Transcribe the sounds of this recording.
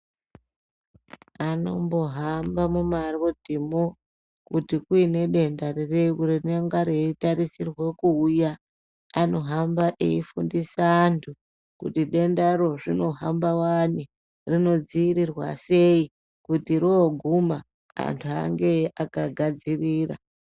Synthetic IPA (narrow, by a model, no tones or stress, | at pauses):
ano̞mbo̞ɦambamumarodʱimo | kutikuine̞ɗe̞ndarerekurineŋɡaɾeitaɾisirwe̞kuujaː | no̞ɦambaʔeifundisaːntʰu | kṵtiɗe̞ndaɾo̞ʐino̞ɦambawani | rino̞d͡ziiɾirwa̰se̞i | kutiɾoːɡʱuma | a̰ntʰuaŋɡeakaɡʱad͡ziriːra̰